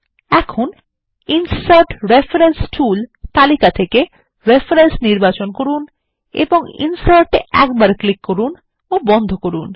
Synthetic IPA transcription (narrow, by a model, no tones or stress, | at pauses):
ɛkʰon | insaɾʈɾefʰaɾensʈʰult̪alikat̪ʰeke | ɾefʰɾensniɾbat͡ɕonkoɾun | ḛboŋḭnsaɾʈeɛ̰kbaɾklikːoɾun | obɔnd̪ʱokoɾun